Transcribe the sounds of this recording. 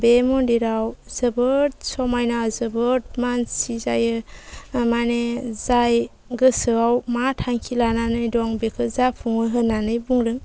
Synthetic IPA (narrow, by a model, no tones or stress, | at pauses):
bemɔndiɾawzɯbɯt̚sɔmajnazɯbɯt̚mansizajɯ | manezaj | ɡɯsɯawmatʰaŋkʰilananɯjdɔŋbekʰɯzapʰuŋɯɦɯnanɯjbuŋɾɯŋ